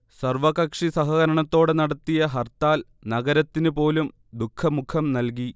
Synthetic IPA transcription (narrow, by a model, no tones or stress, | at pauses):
sɐrʋɐkɐkʂisɐɦɐɣɐɾɐɳɐt̪ːo̞ːɽenɐɽɐt̪ːijɐɦɐrt̪aːl | nɐɡɐɾɐt̪ːinupo̞ːlum | d̪ukʰːɐmukʰːɐmnɐlk̬i